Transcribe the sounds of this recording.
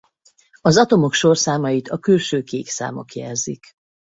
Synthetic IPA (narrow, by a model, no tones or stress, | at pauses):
ɒzɒt̪o̞mo̞kʃo̞rsaːmɒjit̪ɒkylʃøːkeːksa̰ːmo̞̰kjɛ̰rzḭk